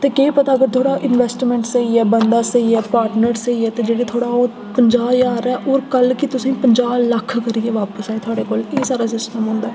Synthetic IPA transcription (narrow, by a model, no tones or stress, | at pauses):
t̪eːkeːpət̪aːəɡəɾt̪ʰoːɽaːʔɪnʋɛːsʈmɛ̃ːɳʈsəiːɛːbənd̪aːsəiːɛːpaːɾʈnəɾsəiːɛːt̪eːd͡ʒeːɽeːt̪ʰoːɽaːoː | pəɲd͡ʒaːbjaːɾɛːʔoːɾkəlkɪt̪ʊsĩːpəɲd͡ʒaːbləkʰːkəɾieːʋaːpəsaːeːt̪ʰʊaːɽeːkoːleːsaːɾaːsɪsʈəmɦõːnd̪aːɛː